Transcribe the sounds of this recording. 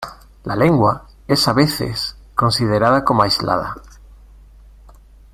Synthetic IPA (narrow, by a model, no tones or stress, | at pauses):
laleŋɡwa | esaβeθḛs | kõ̞nsiðeɾaðakomoajzlʔa̰ð̞a̰